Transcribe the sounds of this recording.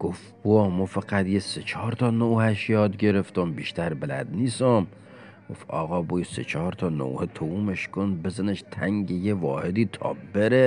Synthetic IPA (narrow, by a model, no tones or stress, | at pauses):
ɡ̥of | b̥oɒmɔfæɡæd̪jeset͡ʃʰɒːɾt̪ʰɒːnowhæʃjɒːd̪ɡe̞ɾeft̪ombiːʃt̪æɾbelæ̰d̪niːsom | ɡ̥ofɒ̰ːɣɒːbujesḛt͡ʃʰɒɾt̪ʰɒːno̰whet̪ʰouːmeʃkʰonbezæneʃt̪ʰæŋɟejevɒːhed̪iːt̪ʰɒ̰ːbeɾe